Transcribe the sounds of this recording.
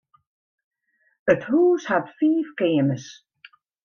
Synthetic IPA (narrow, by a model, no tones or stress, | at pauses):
əthuːshatfiːfkɪːməs